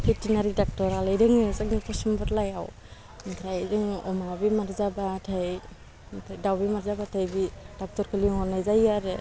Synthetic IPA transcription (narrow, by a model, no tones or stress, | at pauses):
pʰitinaɾidak̚tɔɾalɯjɾɯŋɯzaŋɯpɔsɔmbɔtlajaw | mtʰɾajzɯŋɔ̰mabimaɾzabatʰaj | tʰajdawbimaɾzabatʰajbid̥ak̚tɔɾkʰɯliŋɔnajzajaɾe